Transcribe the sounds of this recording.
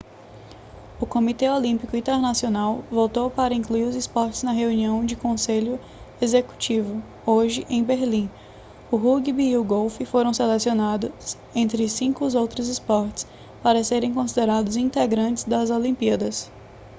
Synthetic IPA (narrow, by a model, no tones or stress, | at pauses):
ʊkõmit̪ɛolĩpikʊĩnt̪eɾnasionawvowt̪owpaɾɐĩkluiɾʊzɪspɔɾt͡ʃɪznɐɦeuniɐ̃w̃d͡ʒɪkõseʎʊ | ezeku̥t͡ʃivʊ | oʒɪʔẽj̃beɾlĩ | ʊɦuɡibiʊɡowfifoɾɐ̃w̃selesionad̪ʊs | ẽnt̪ɾɪsĩkʊzowt̪ɾʊzɪspɔɾt͡ʃɪ̥s | paɾɐseɾẽj̃kõsid̪eɾad̪ʊzĩnt̪eɡɾɐ̃nt͡ʃɪ̥zd̪ɐzolĩmpiɐd̪ɐs